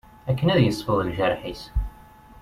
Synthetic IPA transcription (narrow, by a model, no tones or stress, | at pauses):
ækːənæðjəsˤfəðˤəlʒæɾˤħis